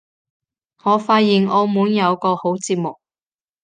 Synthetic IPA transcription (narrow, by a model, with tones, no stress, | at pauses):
ŋɔː˨˧faː˧t̚jiː˨nʔɔː˧muː˨˥njɐ˨˧wkɔː˧ho˨˥wt͡siː˧p̚mʊ˨k̚